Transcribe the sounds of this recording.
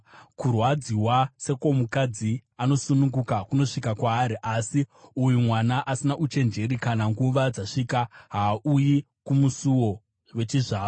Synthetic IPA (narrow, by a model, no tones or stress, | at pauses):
kurwad͡ziwase̞komukad͡ziano̞sunuŋɡukakuno̞ʂikakwaːɾiʔasiujumwanaʔasinaʔut͡ʃe̞nd͡ʒe̞ɾikanaŋɡuʋad͡zaʂiːkaɦaːuji | kumusuwo̞ | we̞t͡ʃiʐaːo